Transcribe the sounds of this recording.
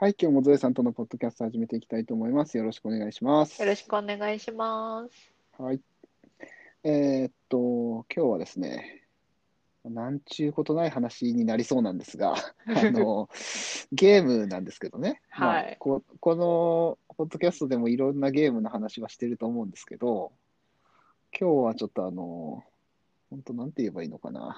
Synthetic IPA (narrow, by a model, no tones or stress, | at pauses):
haikʲo̞ːmo̞zɨesãnt̪o̞no̞po̞d̪ːo̞kʲasɨ̥t̪o̞haʑime̞t̪e̞ikʲi̥t̪ait̪o̞ːmo̞imasɨjoɾo̞ɕi̥kɯone̞ɡaiɕimasɨ̥joɾoɕi̥kɯone̞ɡaiɕimas | hai | eːt̪ːo̞kʲo̞ːβa̰d̪e̞sɨne̞̰ | manãɲt͡ɕɨːko̞t̪o̞naiɦanaɕiɲ̟inaɾʲiso̞ːnãnd̪e̞sɨɡa̰ano | ɡe̞ːmɯ̟nã̰nd̪e̞sɨ̥ke̞d̪o̞ne̞hmakoko̞nopo̞d̪ːo̞kʲasɨ̥t̪o̞d̪e̞mo̞iɾõ̞nːaɡe̞ːmɯ̟nohanaɕiβaɕi̥t̪e̞ɾɯ̟t̪o̞ːmo̞ɯ̃nd̪e̞sɨ̥ke̞d̪o̞ | kʲʰo̞ːβat͡ɕo̞t̪ːo̞ano̞̰ | hõ̞nt̪o̞nãnt̪eie̞baḭːno̞ka̰na̰